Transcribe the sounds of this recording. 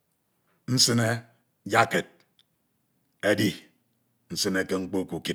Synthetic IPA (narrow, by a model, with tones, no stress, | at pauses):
n̩˦sɨ˦ne˦ | d͡ʒa˦ke˨t̚ | e˦di˦ | n̩˦sɨ˦ne˦ke˦ŋ͡m̩˦k͡po˦˨ku˨ki˦